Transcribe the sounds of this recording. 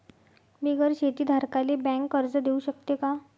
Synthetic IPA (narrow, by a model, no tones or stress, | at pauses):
miːɡʱəɾɕet̪iːd̪ʱaɾkalebɛ̃ŋkːəɾd͡zəd̪euɕəkt̪eka